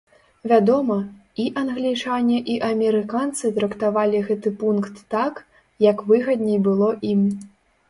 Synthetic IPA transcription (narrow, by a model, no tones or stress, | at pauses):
vʲad̪ɔmɐiʔɐnɣlʲit͡ʂanʲɛʔiʔɐmʲɛɾɨkant̪sɨt̪ɾɐkt̪avalʲiɣɛt̪ɨpunkt̪ːak | jɐkvɨɣɐd̪ʲnʲɛjbɨlˠɔʔim